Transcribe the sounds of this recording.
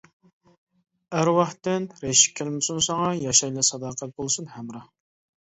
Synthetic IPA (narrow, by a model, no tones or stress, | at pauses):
æɾwɑχt̪ːɪnɾeʃi̥kʲʰːelmɪsunsɑŋɑjɑʃɑjlˠɑsɑd̪ɑːqʰæt̪̚bolˠsunhæmɾɑ